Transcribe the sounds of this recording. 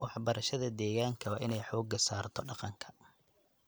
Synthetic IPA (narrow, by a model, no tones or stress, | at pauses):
wɑħbɐɾɐʃɐðɐd̪ɛːɣaːŋkʰɐwɑːʔɪnɛjħɔːɡɐsaːrt̪ʰɔɖɑqɑŋkʰɐ̥